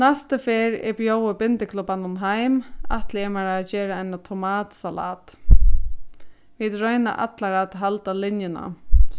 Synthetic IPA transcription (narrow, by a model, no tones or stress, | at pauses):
nɛst̪əfeːɾɛ̰bjoːwəpɪnt̪ɪkʰlʊpːanʊmɦajma̰ht̪lɪɛmaɾaːt͡ɕɛːɾaajnat̪ʰʊmaːt̪sala̰ːt̪ | vit̪ɾœɥna̰ʔa̰t̪laɾat̪ɦalt̪alɪnjɪna̰